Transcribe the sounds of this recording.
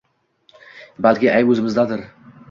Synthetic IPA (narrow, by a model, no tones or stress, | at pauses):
balkʲɪʔajɵzɪmɪzd̪ad̪ɪɾ